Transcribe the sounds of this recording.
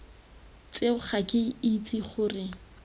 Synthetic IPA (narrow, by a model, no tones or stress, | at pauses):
t͡seʊχakʼɪit͡sʼiχʊːrɪ